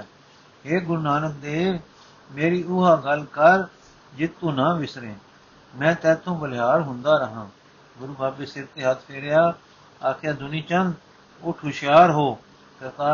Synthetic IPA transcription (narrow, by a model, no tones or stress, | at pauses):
ɦeːɡʊɾuːnaːnək̚d̪eː | meːɾiːʊɦaːɡəlkəɾ | d͡ʒɪt̪ːũːnãːʋɪsɾẽː | mɛ̃ːt̪ɛːt̪ʰːõːbəlɦaːɽɦʊ̃nd̪aːɾəɦãː | ɡʊɾuːbʱaːbeːsɪɾt̪eːɦət̪ʰpʰeːɾejaː | aːkʰjaːd̪ʊniːt͡ʃən | ʊʈʰuʃjaːɾɦoː | kəɾt̪aː